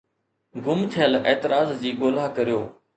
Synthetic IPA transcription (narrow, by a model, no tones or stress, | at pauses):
ɡʊmt̪ʰɪjəleːt̪ɪɾaːzd͡ʑiːɡoːlaːkəɾijoː